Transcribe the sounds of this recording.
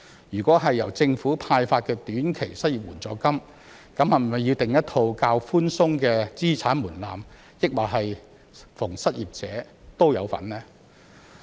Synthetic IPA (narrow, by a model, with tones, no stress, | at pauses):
jyː˨˩kʷɔː˨˥ɦɐ˨jːɐ̰˨˩wt͡sɪ˧ŋfuː˨˥pʰaː˧jfaː˧t̚kɛː˧t̪yː˨˥nkʰe˨˩jsɐ˥t̚jiː˨p̚wuː˨˩nt͡sɔː˧kɐ˥m | kɐ˨˥mhɐ˨˩mɐ˨jiː˧wt̪ɪ˨ŋjɐ˥t̚t̪ʰo˧wkaː˧wfuː˥nsʊ˥ŋkɛː˧t͡siː˥t͡sʰaː˨˥nmuː˨˩nlaː˨m | jɪ˥k̚waː˨˩ɦɐ˨j | fʊ˨˩ŋsɐ˥t̚jiː˨p̚t͡sɛː˨˥ | t̪o˥wjɐ˨˧wfɐ̰˨˥nlɛː˥